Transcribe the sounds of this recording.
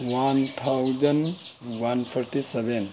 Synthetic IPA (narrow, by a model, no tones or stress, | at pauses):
want̪ʰawd͡ʒɐn | wanpʰɔɾʈiseben